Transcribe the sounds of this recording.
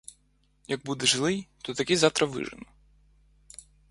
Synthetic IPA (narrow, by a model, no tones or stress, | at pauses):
jɐɡ̚bud̪ɛʐɪlˠɪjt̪ɔt̪ɐkʲizɑwt̪ɾɐʋɪ̰ʐɪ̰nɔ